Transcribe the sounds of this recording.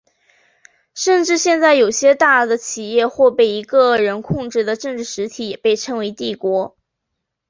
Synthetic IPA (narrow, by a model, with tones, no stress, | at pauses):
ʂə˥˧nʈ͡ʂɻ̩˥˧ɕjɛ˥˧nt͡sa˥˩ɪjo˨˩ʊɕjɛ˥t̪a˥˩d̪ə˩t͡ɕʰi˨˩jɛ˥˧xwɔ˥˧pe˥˩ɪi˧˥ɡə˧ɻə˧˥nkʰʊ˥˧ŋʈ͡ʂɻ̩˥˩d̪ə˩ʈ͡ʂɤ˥˧ŋʈ͡ʂɻ̩˥˩ʂɻ̩˧˥t̪ʰi˧˥jɛ˨˩pe˥˩ɪʈ͡ʂʰɤ˧˥ŋwe˧˥ɪt̪i˥˩kwɔ˧˥